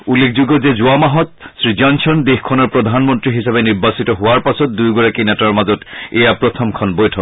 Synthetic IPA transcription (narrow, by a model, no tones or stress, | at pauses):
ulːekʰzuɡɔzezʊamaɦɔtsɹizansʰɔndexkʰɔnɔɹpɹɔdʱanmɔntɹiɦisabeniɹbasitɔɦʊaɹpasɔt̚dujɡɔɹakinɛtaɹmazɔtejapɹɔtʰɔmkʰɔnbɔjtʰɔk